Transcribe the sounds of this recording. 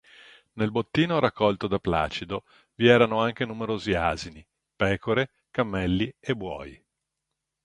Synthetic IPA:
nelbot̪ːiːnoɾakʰːɔlt̪od̪apla̰ːt͡ʃid̪o | viɛːɾanoaŋk̟enumeɾoːziaːzini | pɛːkoɾe | kamːɛlːiebːwɔ̰ːji

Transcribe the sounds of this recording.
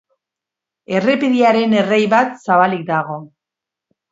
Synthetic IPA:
e̞re̞peðiaɾe̞ne̞rejβat̪saβalik̚d̪aɣ̞o̞

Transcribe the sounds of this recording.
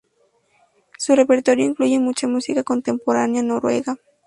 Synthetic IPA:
sʊrepeɾt̪oɾjoiŋklujemut͡ʃamusikakont̪e̞mpoɾanjanoɾwḛɡa

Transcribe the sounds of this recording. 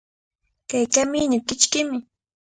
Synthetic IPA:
kajkamɪɲakɪt͡ʃkɪmɪ

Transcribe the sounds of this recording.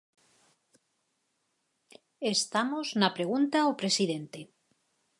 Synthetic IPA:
est̪amoznapɾe̞ɣ̞unt̪aopɾe̞siðent̪e

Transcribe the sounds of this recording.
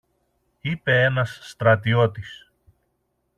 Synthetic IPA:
ipe̞e̞nɐsːt̪ɾɐt̪̬io̞t̪is

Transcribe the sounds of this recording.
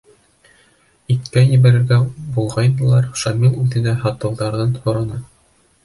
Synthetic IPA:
it̪kæjɘ̆βæɾɘ̆ɾɡæbulˠʁɑjnɤ̆lˠɑɾʃɑmilˠʉðɘ̆næɦɑt̪ɤ̆wðɑɾðɤnhŏɾɤ̆nɑ

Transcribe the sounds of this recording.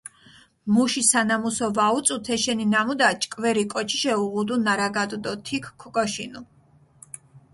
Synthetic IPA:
muʃisanamusɔvaut̪sʼut̪ʰɛʃɛninamud̪at͡ʃʼkʼvɛɾikʼɔt͡ʃʰi̥ʃɛuʁud̪unaɾaɡad̪ʼd̪ɔt̪ʰikʰkʰːɔkʼɔʃinu

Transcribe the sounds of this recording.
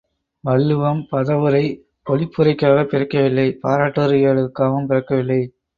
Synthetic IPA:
ʋɐɭːɯʋɐmpɐðɐʋɯɾɐɪ | kɔlɪpːɯɾɐɪkːaːɣɐpɪɾɐkːɐʋɪlːɐɪpaːɾaːʈːɐɾɯjɐɭɯkːaːʋɯmpɪɾɐkːɐʋɪlːɐɪ

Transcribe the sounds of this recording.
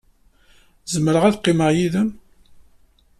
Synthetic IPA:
zəmɾəʁæðqːɪməʁjiðəm

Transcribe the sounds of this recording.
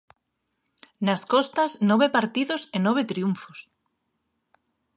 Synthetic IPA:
nɐskɔst̪ɐsnɔβepaɾt̪iðʊsenɔβ̞et̪ɾiuɱfos

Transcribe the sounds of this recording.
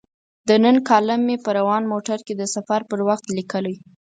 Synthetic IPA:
d̪ənənkɑləmːepəɾawɑnmoʈaɾked̪əsafaɾpəɾwaxt̪likəlaj

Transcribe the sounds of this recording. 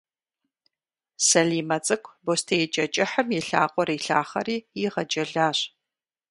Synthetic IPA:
sɐɮiːmɐt͡sʼɨkʷʰbostʰejɛt͡ʃʼɐt͡ʃʼɪħəmjɪɬa̰ːqʷʼɔɾiːɬa̰ːχɐ̰ɾiːjɪʁɐd͡ʒʼɐɮaːɕ

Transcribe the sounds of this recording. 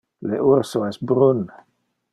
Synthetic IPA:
leʔuɾsoɛsbɾun

